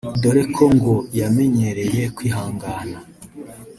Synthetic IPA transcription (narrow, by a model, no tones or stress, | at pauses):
do̞ɾe̞kʰo̞ŋɡo̞jame̞ɲe̞ɾe̞je̞kwiːɦaːŋɡaːna